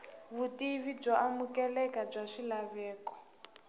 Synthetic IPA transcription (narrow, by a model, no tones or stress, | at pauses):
βutiβib͡ʐɔʔamukɛlɛkab͡ʐaʂilaβɛːkɔ̥